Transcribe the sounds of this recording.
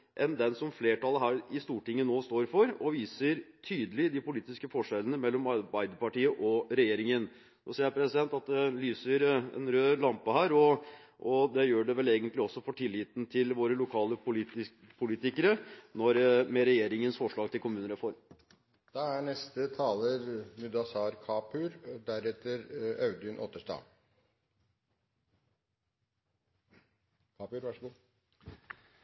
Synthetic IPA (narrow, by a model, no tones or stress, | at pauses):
ʔɛnd̪ɛnsɔmfleːʈɑləɦæːɾɪst̪uːʈɪŋːənoːst̪oːɾfɔɾɔʋiːsəɾt̪ʰyːd̪əlɪd̪ɪpʊliːt̪ɪskəfɔʂɛlənəmɛlːɔmɑbæɪd̪əpɑʈiːəʔɔɾɛjeːɾɪŋən | nosiːjæɾpʰɾɛsɪd̪ɛnt̪ɑt̪̚d̪ɛlyːsəɾɛ̰nɾøːlɑmpəhæːɾɔ | ʔɔd̪ɛjøːɖɛʋɛleːɡənt̪lɪɔsːɔfɔʈʰɪlːiːt̪nt̪ʰɪlʋoːɾəlʊkʰɑːləpʊlːɪ | pʰʊliːt̪ɪkəɾənɔɾmɛɾɛjeːɾɪŋənsfɔʂɭɑːɡ̚t̪ʰɪlkʊmʉːnəɾəfɔɾ | d̪̥ɑːæɳɛst̪ət̪ʰɑːləɾmʉd̪ɑsɑːɾkʰɑːpʰʉɾd̪æɾɛt̪ːəɾɑʉd̪ʏnʔɔ̰ːt̪əʂʈɑ̰ː | kʰɑːpʉɾʋɑʂ